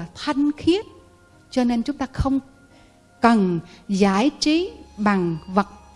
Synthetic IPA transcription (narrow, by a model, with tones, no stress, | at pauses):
t̪ʰa˧jŋxi˦˥ət̚ | t͡ɕɔ˧ne˧nt͡ɕʊ˨˦ŋ͡mt̪aː˧xə˧wŋ͡m | kə˨˩nzaː˨˦jt͡ɕi˨˦ɓa˨˩ŋvə˨˩t̚